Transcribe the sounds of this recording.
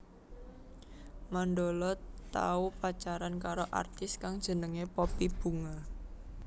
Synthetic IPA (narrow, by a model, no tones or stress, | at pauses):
manɖolɔt̪a̰upat͡ʃaɾankaɾoʔa̰rt̪ɪskaŋd̥ʒ̥ə̤nəŋepɔpib̥ṳŋa